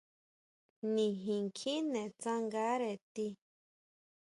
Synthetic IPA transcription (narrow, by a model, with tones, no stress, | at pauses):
nĩ˨ɦĩ˨ŋkʰĩ˦nẽ˨t͡sã˦ŋɡa˦ɾe˨t̪i˧